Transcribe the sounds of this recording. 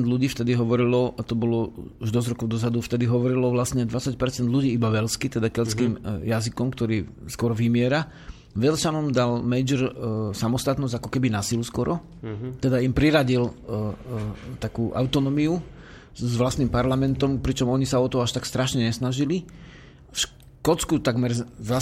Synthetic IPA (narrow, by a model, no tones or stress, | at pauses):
nd̪lʎuɟiːft̪ɛd̪iɦɔʋɔɾilɔt̪ɔbɔlɔuʒd̪ɔzɾɔkɔʊd̪ɔzad̪uft̪ɛd̪iɦɔʋɔɾilɔʋlast̪ɲɛd̪ʋat͡sac̚pɛɾt͡sɛnd̪ʎuɟiːibaʋɛlskit̪ɛd̪akɛlskiːmjazikɔmkt̪ɔɾiːskɔɾɔʋimɪɛɾa | ʋɛlsanɔmd̪almɛjd͡ʒɛɾsamɔst̪at̪nɔzɟakɔkɛbinasiluskɔɾʔɔ | t̪ɛd̪aimpɾiɾaɟil | t̪akuːʔa̰ʊt̪ɔnɔmiu | zʋlast̪nimpaɾlamɛnt̪ɔmpɾit͡ʃɔmɔɲisaɔt̪ɔaʃt̪akst̪ɾaʃɲɛɲɛsnaʒili | fʃ | kɔt͡skut̪aɡmɛɾa